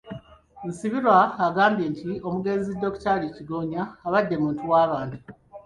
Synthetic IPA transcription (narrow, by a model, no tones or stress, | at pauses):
nsiβiɾwaːɡaːmbje̞ntʰio̞muɡe̞zidːo̞ktaliciɡo̞ːɲaːβadːe̞muːntuwaːβaːndi